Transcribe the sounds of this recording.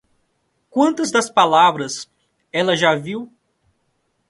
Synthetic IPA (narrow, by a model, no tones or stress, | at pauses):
kwɐ̃nt̪ɐzd̪ɐspalavɾɐs | ɛlɐʒaviw